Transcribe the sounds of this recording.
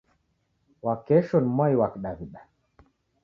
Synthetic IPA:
wakɛʃɔnmwaiwakɗaviɗa

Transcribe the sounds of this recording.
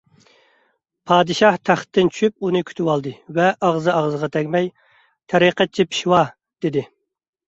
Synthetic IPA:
pʰɑːd̪ɨʃɑht̪ʰæχt̪ʰːɪnt͡ʃʰy̥ʃyp̚unɨkʲʰy̥t̪ʰywɑlˠd̪ɨvɛʔɑʁzɨɑʁzəʁɑt̪ʰɛkʲmɛj | t̪ʰɛɾiqɛt͡ʃʰːipʰi̥ʃwɑ | d̪̥ɪd̪ɪ

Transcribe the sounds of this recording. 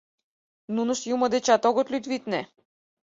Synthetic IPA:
nunəʃjuməd̪ɛt͡ʃat̪ɔɡɔt̪lʲyt̪vit̪nɛ

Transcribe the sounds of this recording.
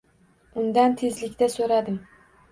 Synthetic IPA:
ʊnd̪ant̪ʰezlɪkʲt̪asoɾad̪ɪm

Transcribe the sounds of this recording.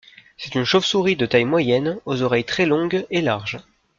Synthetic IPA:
sɛ̥t̪ynʃofsuʁid̪ət̪ajmwajɛnozɔʁɛjt̪χɛlɔ̃ɡelaʁʒ

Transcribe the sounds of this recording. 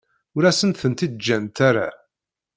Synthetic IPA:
ʊɾæsənt̪θənt̪id̪̚d͡ʒːænt̪aɾa̰

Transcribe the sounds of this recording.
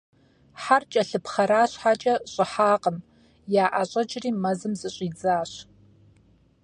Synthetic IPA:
ħart͡ʃʼɐɬɨpʰχɐɾaːɕʷħat͡ʃʼɐɕʼɪħaːqʼəm | jaːʔaɕʷʼɐd͡ʒʼriːmɐzɨmzɨɕʷʼid͡zaːɕ

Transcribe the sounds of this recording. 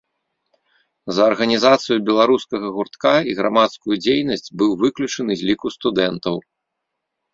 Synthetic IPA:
zɐːrɣɐnʲizat̪sɨjubʲɛlˠaɾuskɐɣɐɣurt̪kaiɣɾa̰mat̪skujud͡zʲejnɐsʲt͡sʲbɨwvɨklʲut͡ʂɐnɨzʲlʲikust̪ud̪ɛnt̪ɐw

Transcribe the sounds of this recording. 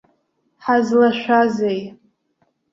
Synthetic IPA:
ħazlaʃʷᶣazej

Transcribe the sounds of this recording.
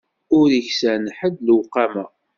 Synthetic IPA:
ʊɾiçsənħəd̪lwqːɑmæ

